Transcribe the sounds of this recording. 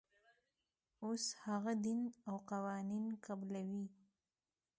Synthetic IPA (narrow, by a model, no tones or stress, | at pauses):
oshaɣad̪inawqawɑninkablawi